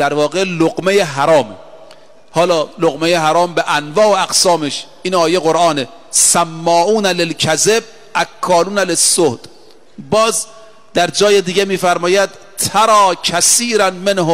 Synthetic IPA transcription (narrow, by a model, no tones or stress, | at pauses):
d̪̥æɾvɒːɣeloɡmejeɦæɾɒːme | hɒːlɒːloɣmejeɦaɾɒːmbeʔænvɒːʔoæɡsɒːmeʃ | inɒːjeɣoɾʔɑːne | sæmːɒːʔuːnælelkʰæzeb̚ | ʔækʰːɒːluːnælesːohd̪̥ | bɒːz | d̪æɾd͡ʒɒːjed̪iːɡemiːfæɾmɒːjæd̪ | t̪ʰaɾɒːkʰæsiːɾænmenho